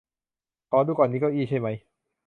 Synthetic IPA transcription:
kʰɔː˦˥˦duː˧˩kaɔː˨˩nːiː˦˥kɔː˥˩ʔiː˥˩t͡ɕʰa˥˩jma˦˥j

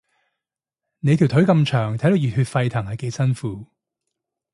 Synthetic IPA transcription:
ne˨˧jt̪ʰi˨˩wt̪ʰɵ˨˥ɥkɐ˧mt͡ʃʰœː˨˩ŋt̪ʰjd̪wjyː˨t̚hyː˧t̚fɐ˧jt̪ʰɐ˨˩ŋhɐ˨˩jke˨˧jsɐ˥nfuː˨˦

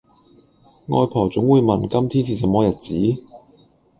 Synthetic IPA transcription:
ŋɔ̰ː˧jpʰɔː˨˩t͡sʊ˨˥ŋwuː˨˧jmɐ˨n˨kɐ˥mt̪ʰiː˥nt͡sʰiː˨˩s̬ɐ˨˥mɔː˨˧˥jɐ˨t̚t͡siː˨˥

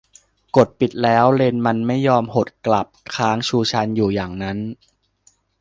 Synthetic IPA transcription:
ko˨˩t̪̚pi˨˩t̪̚lɛː˦˥wle˧nma˧nma˥˩jːɔː˧mho˨˩t̪̚kla˨˩p̚kʰaː˦˥ŋt͡ɕʰuː˧t͡ɕʰa˧njuː˨˩jaː˨˩ŋna˦˥n

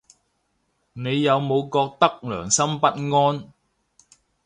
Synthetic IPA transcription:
ne˨˧jːɐ˨˧wmo˨˧wkɔː˧k̚t̪ɐ˥k̚lœ̰ː˨˩ŋsɐ˥mpɐ˥t̚ŋɔː˥n

